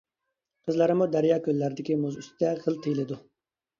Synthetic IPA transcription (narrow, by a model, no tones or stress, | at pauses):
qʰəzlˠɑɾɨmud̪æɾjɑːkʲølːæɾd̪ɪkʲimuzyst̪ɛχəlˠt̪ʰɨjlˠɨd̪u